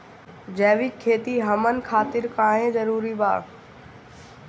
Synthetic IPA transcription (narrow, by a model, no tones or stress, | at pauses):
d͡ʑɛːʋɪkkʰːeːt̪iɦɐmənkʰaːt̪ɪɾkaːɦẽzɐɾuːɾiba̰ː